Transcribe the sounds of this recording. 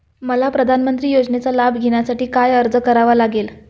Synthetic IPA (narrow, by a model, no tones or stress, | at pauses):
məlapɾəd̪ʱanmənt̪ɾiːjod͡znet͡salabʱɡʱeɽ̃jasaʈiːkajəɾd͡zəkəɾaʋalaɡel